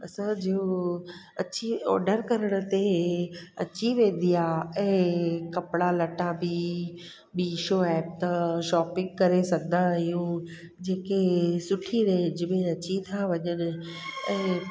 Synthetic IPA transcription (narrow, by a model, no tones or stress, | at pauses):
ɐsãd͡ʑio | ɐt͡ɕiɔ̰ːɾɖəɾkɐɾəɽ̃ə̆t̪e | ɐ̰t͡ɕiʋẽːn̆d̪ijaɛ̃ːkɐpɽalɐʈãbi | ɓiʃoːɛːp̚t̪ɐʃɔːpɪ̃ŋɡ̚kɐɾesɐɡʱənaɦijũ | d͡ʑeːkesʊʈʰiɾed͡ʑɪmẽɐt͡ɕit̪ʰaʋɐɲənɪ̆ɛ̃ː